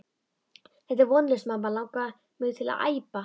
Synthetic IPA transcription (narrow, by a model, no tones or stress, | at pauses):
θɛht̪ɛɾvɔnlɪsmampalaːwka | mʏðt̪ʰɪla̰ða̰ːjpa